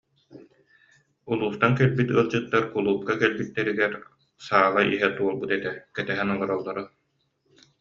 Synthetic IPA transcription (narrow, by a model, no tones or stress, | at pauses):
ulˠuːst̪ankɛlbit̪ɯɐlˠd͡ʑɯt̪ːaɾkulˠuːp̚kakɛlbit̪ːɛɾiɡɛɾ | saːʁaʔiɦɛt̪uɔlˠbut̪ɛt̪ɛkɛt̪ɛɦɛnɔlˠɔɾɔlˠːɔɾɯ